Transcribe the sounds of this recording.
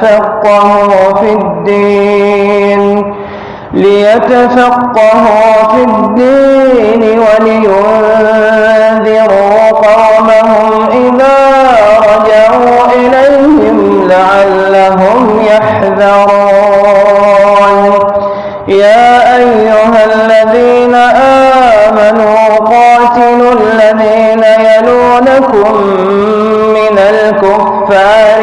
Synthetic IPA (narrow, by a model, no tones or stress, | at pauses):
ɑqːɑhuːfid̪ːiː | n | lɪjat̪afɑqːɑɦuːfid̪ːiːnɪwalɪjʊð | ðɪɾuː | qɑw | maɦʊm | ʔɪðaː | ɾˤɑd͡ʒɑʕuːʔɪlajhɪm | laʕalːaɦʊm | jaħ | ðɑɾu | n | jaːʔajːʊɦalːaðiːnaʔaːmanuːqɑːt̪ɪlʊlːaðiːnajanuːnakʊmː | ɪnal | kʊfːaːɾɾ